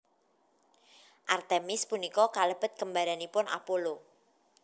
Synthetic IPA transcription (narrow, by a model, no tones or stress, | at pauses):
ʔart̪emɪspunikɔkaləb̥ə̤t̪̚kəmbaɾanipʊnʔa̰polo